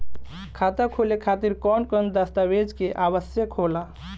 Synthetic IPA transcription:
kʰat̪akʰolekʰat̪iɾkɔnkənd̪əst̪abed͡ʒkeʔaβəsjəkʰːola

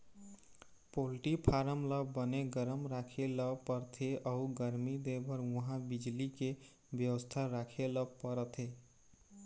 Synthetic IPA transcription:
polʈipʰaɾəmləbəneɡəɾəmɾakʰeləpəɾt̪ʰeʔəuɡəɾmid̪ebəɾwəɦãbid͡ʒlike | bjəwəst̪ʰaɾakʰeləpəɾət̪ʰe

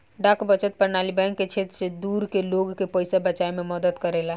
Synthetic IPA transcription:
ɖakbət͡ʃət̪̚pəɾnaːlibɛ̃ŋkːet͡ʃʰet̪ɾsed̪uːɾkeloɡkepəjsabət͡ʃaemẽməd̪əd̪kəɾela

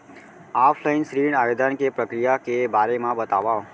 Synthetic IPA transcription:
apʰlainsɾiɳaʋed̪ʱankepɾəkɾijakebaɾemãbət̪aʋao

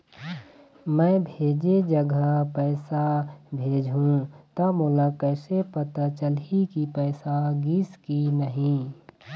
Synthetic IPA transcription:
mɛ̃bʱeːd͡ʒed͡ʒəɡəpɛɪsabʱeːd͡ʒʱɦũt̪amʊlakɛːsepət̪at͡ʃəlikipɛːsaɡiːskinəɦĩ

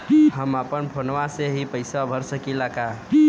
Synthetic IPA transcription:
həmapənpʰonʋaseɦipəɪsabʱəɾsəkilaka

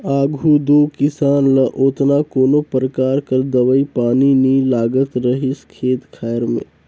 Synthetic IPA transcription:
aːɡʱud̪oːkɪsaːnləʔoːt̪nakoːnopɾəkaːɾkəɾd̪əʋəipaːninilaːɡət̪ɾəɦɪskʰeːt̪kʰaːjəɾmḛ̃ː

